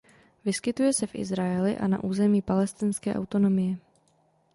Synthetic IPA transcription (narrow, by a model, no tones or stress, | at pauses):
vɪskɪt̪ujɛsɛfʔɪ̰zɾajɛlɪ̰ʔa̰na̰ʔuːzɛmiːpalɛst̪ɪnskɛ̰ːʔa̰wt̪o̞no̞mɪjɛ